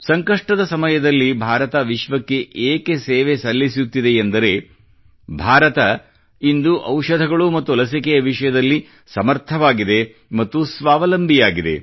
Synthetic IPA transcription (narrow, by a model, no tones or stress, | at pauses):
sɐŋkɐʂʈɐd̪ɐsɐmɐjɐd̪ɐlːibʱaːɾɐt̪ɐʋiʃʋɐkːe̞ʔeːke̞seːʋesɐlːisut̪ːid̪e̞ːnd̪ɐɾe̞ | bʱaːɾɐt̪ɐ | ind̪uʔɐwʃɐd̪ʱɐɡɐɭumɐt̪ːuɐlɐs̬ikɛjɐʋiʂɐjɐd̪ɐlːi | sɐmɐɾt̪ʰɐʋaːɡid̪e̞ | mɐt̪ːusʋaːʋɐlɐmbʱijaːɡid̪ḛ